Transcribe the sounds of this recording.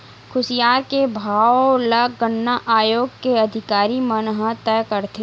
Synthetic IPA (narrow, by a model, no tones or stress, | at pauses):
kʰʊsijaːɾkebʱaːʋləɡəɳːaʔaːjoːɡkeɐd̪ʱɪkaːɾimənɦət̪ɛːkəɾt̪e